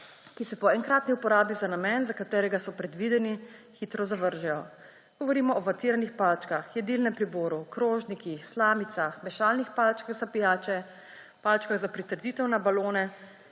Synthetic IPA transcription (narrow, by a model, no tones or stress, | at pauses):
kisɛpɔɛŋkɾaːt̪niupɔɾaːbizanamɛnzakat̪ɛːɾɛɡasɔpɾɛd̪ʋiːd̪ɛnixiːt̪ɾɔzaʋəɾʒɛjɔ | ɡ̥ɔʋɔɾiːmɔːʋat̪iːɾanixpaːlt͡ʃkaxjɛd̪iːlnɛmpɾiboːɾukɾoːʒnikixslaːmit̪saxmɛʃaːlnixpalt͡ʃkaɣzapijaːt͡ʃɛ | palt͡ʃkaɣzapɾit̪əɾd̪iːt̪ɛwnabaloːnɛ